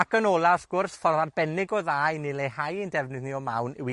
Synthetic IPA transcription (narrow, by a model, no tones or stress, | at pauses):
akʰənɔːlˠafɡ̥ʊrsfɔrvarbɛnɪɡɔðaːjnɪlˠehajindɛvnɨðniɔma̰wnɪwi